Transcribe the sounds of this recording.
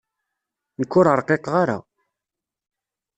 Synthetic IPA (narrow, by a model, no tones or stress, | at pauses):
nəkːʊɾəɾˤqeqʁaɾa̰